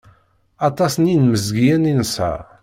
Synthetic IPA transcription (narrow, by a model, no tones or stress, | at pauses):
ɑt̪ˤɑsninməzɡjæninsæ̰